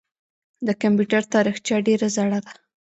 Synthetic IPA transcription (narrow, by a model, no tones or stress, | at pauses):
d̪əkampjuʈaɾt̪ɑɾixt͡ʃjɑɖeɾazaɽad̪a